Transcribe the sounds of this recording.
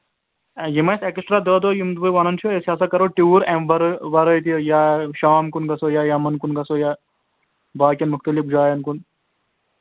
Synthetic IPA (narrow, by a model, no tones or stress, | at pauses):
jimɐsɐkisʈɾaːd̪oːd̪oːjumd̪bɨʋɐnɐnt͡ʃʰoesʲaːsɐkɐɾoʈuːɾemʋɐɾʋɐɾɐjt̪ijaʃaːmkunɡɐsojaːjɐmɐnkunɡɐsojaː | baːkʲɐnmuxt̪ɐlifd͡ʒaːjɐnkun